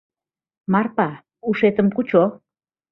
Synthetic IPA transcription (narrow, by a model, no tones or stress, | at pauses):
mɑrpɑ | uʃet̪əmkut͡ɕo